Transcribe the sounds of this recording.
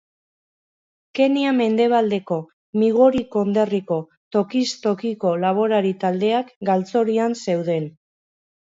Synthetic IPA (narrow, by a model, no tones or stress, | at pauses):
ke̞niame̞nd̪e̞β̞ald̪e̞ko̞ | miɣ̞oɾiko̞nd̪e̞riko̞ | t̪o̞kist̪o̞kiko̞laβ̞o̞ɾaɾit̪ald̪e̞akɡalt͡so̞ɾianse̞wðe̞n